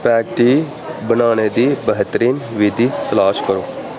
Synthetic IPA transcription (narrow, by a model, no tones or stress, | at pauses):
pɛːk̚ʈi | bənaːned̪iːbəɦt̪əɾiːnʋid̪iːt̪ɐlaːʃkəɾoː